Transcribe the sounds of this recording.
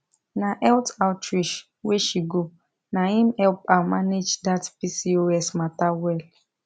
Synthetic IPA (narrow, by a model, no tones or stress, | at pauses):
naʔɛltaʊtɾiʃ | weʃiɡo | naɦim̩hɛlpanmaned͡ʒdatpisioɛsmatawɛl